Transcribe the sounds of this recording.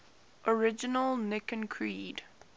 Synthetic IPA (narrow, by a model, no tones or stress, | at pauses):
ʔəɹɪd͡ʒɪnəlˠnɪkə̃nkʰɹiːd